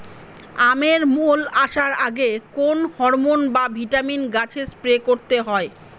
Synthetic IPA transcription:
ameɾmolaʃaɾaɡekonhɔɾmonbabʱiʈaminɡat͡ɕʰespɾekoɾt̪eɦɔe

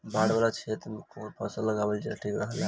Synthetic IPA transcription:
baɽbalat͡ʃʰet̪mkoɾpʰəsəlːəɡabelt͡ʃeʈʰikɾəɦəla

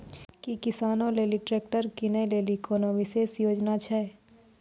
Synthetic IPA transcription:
kikɪsaːnõleːliʈɾeːk̚ʈəɾkinəjleːlikoːnoːmɪseːsjoːd͡ʒnat͡ʃʰɛ

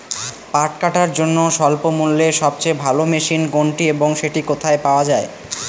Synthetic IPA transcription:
paɾʈkaʈaɾd͡ʑonːoʃɔlpomulːeʃɔb̚t͡ɕebʱalomeʃinɡoɳʈieboŋʃeʈikot̪ʰaepaoad͡ʑae

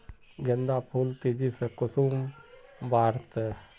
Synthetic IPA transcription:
ɡɪnd̪apʰult̪id͡ʒisekʊsuːmbaːɾt̪e

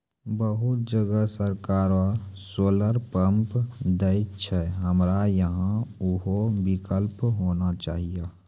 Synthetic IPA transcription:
bəɦʊt̪̚d͡ʒəɡəsəɾkaːɾasoːləɾpə̃mpd̪ət͡ʃʰɛɦəmɾajəɦãʊɦobɪkəlpɦoːnat͡ʃa̰ːɦije

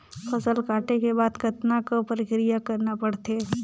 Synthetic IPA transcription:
fɐsəlkaːʈekebaːd̪kɐt̪nakopəɾɪkɾijakɐɾnapɐɽt̪e

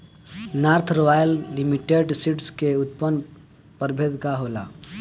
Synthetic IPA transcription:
naɾt̪ʰɾoʋajəlːimiʈeɖsiʈskeut̪̚pən | pəɾbʱed̪kaɦola̰

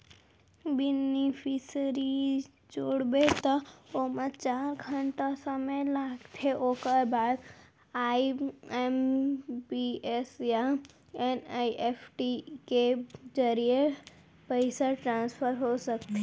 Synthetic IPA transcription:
bɪnɪpʰisəɾi | d͡ʒoːɽbet̪ɔomə̃t͡ʃaːɾɡʱə̃ɳʈasəməjlaːɡt̪ʰeʔoːkəɾbaːd̪ | aːiɛmbiesja | ɛnːiʔeːpʰʈiked͡ʒəɾije | pəɪsaʈɾãːnspʰəɾɦosəkt̪e

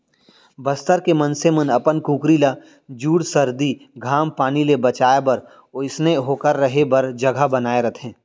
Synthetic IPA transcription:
bɐst̪əɾkemənsemənɐpənkũːkɾila | d͡ʒuːɽsɐɾd̪iɡʱaːmpaːnilebɐt͡ʃaːebɐɾ | ɪsneɦoːkəɾːɐɦebɐɾd͡ʒɐɡʱəbɐnaːeɾɐt̪ʰẽː

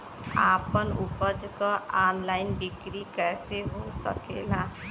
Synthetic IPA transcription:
apənupəd͡ʒkəanlaɪnbikɾikɛseɦosə̰kḛla

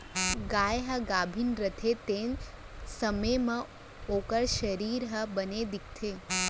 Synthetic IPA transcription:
ɡajɦəɡabʱinɾət̪ʰet̪en | səməjmã | okəɾʃəɾiɾɦəbəned̪ik̚t̪ʰe

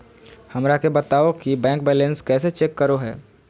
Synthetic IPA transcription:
hɐmɾakebɐt̪aːokibɛ̃ːŋkbɛːlẽnskɛːset͡ʃekːəɾoɦɛ̰ː

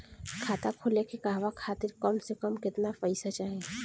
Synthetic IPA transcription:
kʰaːt̪akʰʊlekekaɦʋakʰaːt̪ɪɾkɔmsekəmkɪt̪nafəɪsat͡ʃaːɦẽ

